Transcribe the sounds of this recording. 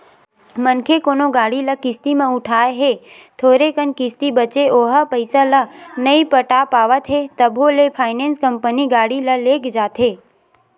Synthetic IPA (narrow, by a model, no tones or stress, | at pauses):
mənkʰekoːnoɡaːɽiləkɪst̪imẽʊʈʰaːeɦe | t̪ʰoːɾekənkɪst̪ibət͡ʃeʔoːɦəpəɪsalənəipəʈaːpaːʋət̪ɦet̪əbʱolepʰaːɪnẽːnskəmpəniɡaːɽiləleːkd͡ʒaːt̪ɦeː